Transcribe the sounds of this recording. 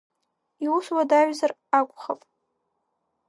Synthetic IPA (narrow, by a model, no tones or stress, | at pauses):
iwuswadaɥzarakʷʼχapʼ